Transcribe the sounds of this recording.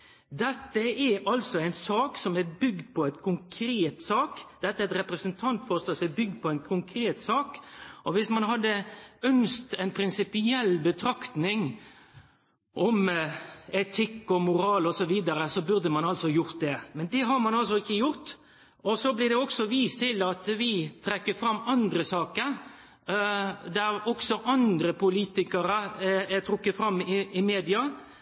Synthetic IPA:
d̪ɛt̪ːəʔɛɾɑlsɔæɪnsɑːksɔmæbʏɡd̪̚pʰɔæɪt̪kʰʊŋkʰɾeːt̪sɑːkd̪̥ɛt̪ːəæɾɛt̪ɾɛpɾəsənt̪ʰɑnt̪fɔʁst̪ɔsɔmɛbʏɡ̚d̪̚pʰɔæɪnkʰʊŋkʰɾeːt̪sɑːkʔɔʋɪsmɑnɦɑd̪ːəœnst̪ɛɪnpʰɾɪnsɪpɪɛlːbət̪ʰɾɑkt̪nɪŋ | ʔɔm | ɛt̪ʰɪkːɔmʊɾɑːlɔsɔʋiːd̪əɾəsɔbʉɾd̪əmɑnɑlsɔjʊɾt̪̚d̪ɛmɛnd̪ɛɦɑɾmɑnɑlsɔɪçːəjʊɾt̪ | ɔsɔblɪɾd̪ɛɔksɔʋiːst̪ʰɪlːɑt̪ʋɪt̪ʰɾɛkːəfɾɑmːɑnd̪ɾəsɑːkəɾ | d̪æɾɔksɔʔɑnd̪ɾəpʊliːt̪ɪkəɾəæt̪ʰɾʊkːət̪fɾɑmːɪɪmeːd̪ɪɑ

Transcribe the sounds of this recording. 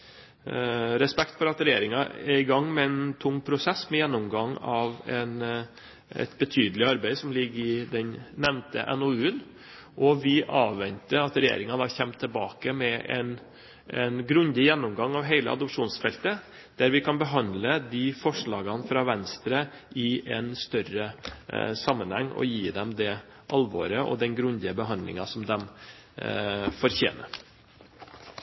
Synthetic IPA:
ɾɛspɛkt̪fɔɾɑt̪ɾɛjeːɾɪŋɑɛɾɪɡɑŋːmɛɛnt̪ʰʊŋːpʰɾʊsɛsmɛjɛnːʊmɡɑŋːɑʋɛn | ɛ̰t̪bət̪ʰyːd̪əlɪɑɾbæɪsɔmlɪɡːɪd̪ɛnnɛmnt̪ə̰ʔɛ̰noʉːən | ʔɔʋɪʔɑːʋːɛnt̪əɑt̪ɾɛjḛːɾɪŋənɑçɛmt̪ʰːəlbɑːkəmɛʔɛ̰n | ɛnɡɾʉnd̪ɪjɛnːʊmɡɑŋːɑʋɦeɪlə̰ʔɑ̰d̪ʊpʂuːnsfɛlt̪ə | d̪̥æɾʋɪkʰɑnbəɦɑnd̪ləd̪ifɔʂɭɑːɡɑnfɾɑːʋɛnst̪ɾə | ʔɪʔɛnst̪œrə | sɑmːənhɛŋːɔ̰jiːd̪ɛmd̪ɛ | ʔɑlʋo̰ːɾəʔɔ̰d̪ɛnɡɾʉnd̪ɪəbəɦɑnd̪lɪ̰ŋɑsɔmd̪ɛm | fɔɾçḛːnə̰ɾ

